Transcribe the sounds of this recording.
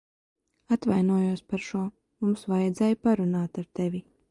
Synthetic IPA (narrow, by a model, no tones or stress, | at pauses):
at̪vajnuɔjuɔspaɾʃuɔ | mumsvajɛd̪zɛːjpaɾunaːt̪aɾt̪evʲi